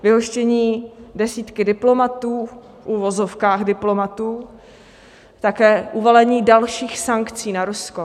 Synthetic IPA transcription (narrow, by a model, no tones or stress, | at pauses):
vɪɦo̞ʃcɛɲiːdɛsiːt̪kɪdɪplo̞mat̪uː | fʔuvo̞zo̞fkaːxdɪplo̞mat̪uː | t̪akɛːʔuvolɛɲiːdalʃiːxsaŋkt͡siːnaɾusko